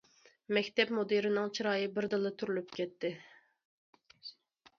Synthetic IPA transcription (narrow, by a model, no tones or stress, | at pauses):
mɛkʲt̪ɛpmod̪eɾɪnɨŋt͡ʃʰiɾɑːjɨbɪɾd̪ɨlˠɨt̪ʰyɾylypkʲɛt̪ːɪ